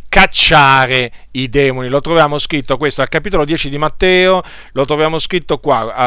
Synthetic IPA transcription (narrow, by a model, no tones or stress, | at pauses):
kat͡ʃːaːɾeid̪ɛːmonilot̪ɾovjaːmoskɾit̪ːokwest̪oalkapit̪olod̪jɛːt͡ʃid̪imat̪ːɛːo | lot̪ɾovjaːmoskɾit̪ːokwa